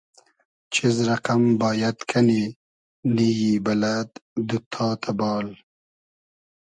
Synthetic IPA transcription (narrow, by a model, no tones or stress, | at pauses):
t͡ʃizɾɐqambɑːjad̪kʰani | nijiːbɐlad̪d̪ut̪ʰɑːt̪ʰabɑːl